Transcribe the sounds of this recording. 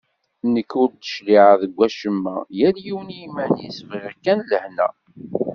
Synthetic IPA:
nəkːʊɾt̪ːə̥ʃliʕaðəɡʷːæʃəmːæ̰jæljiwənimːænjisvəɾækːænləhnæ̰

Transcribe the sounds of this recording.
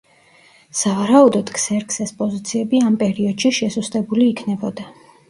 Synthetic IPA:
savaɾaud̪ɔd̪kʰsɛɾkʰsɛspʼɔzit̪sʰiɛbiampʼɛɾiɔd̪̥ʃiʃɛsust̪ʼɛbuliːkʰnɛbɔd̪a

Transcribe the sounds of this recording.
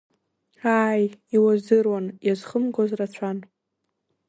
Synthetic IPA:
aːjiwazɨrwanjazχəmɡozrat͡ɕʷʰan

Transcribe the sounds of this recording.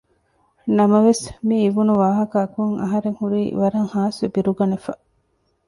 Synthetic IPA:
nɐmɐʋesmiːʋunuʋaːɦɐkɐːkuŋʔɐ̰ɦɐɾeŋhuɾiːʋɐɾɐŋhaːsubiɾuɡɐnefɐ

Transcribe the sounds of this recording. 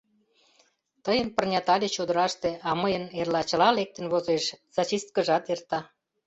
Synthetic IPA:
t̪əjənpərnʲɑt̪ɑlʲet͡ɕod̪ə̆ɾɑʃt̪eɑməjənerlɑt͡ɕə̆lɑlek̚t̪ə̆nβozeʃz̥ɑt͡ɕist̪̚kəʒɑt̪ert̪ɑ

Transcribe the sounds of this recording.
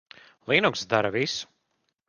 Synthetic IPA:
lˠiːnuksd̪aɾɐvisu̥

